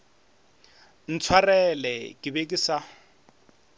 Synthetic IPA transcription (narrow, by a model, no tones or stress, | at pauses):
n̩t͡sʰwarɛlɛkʼɪbekʼɪsa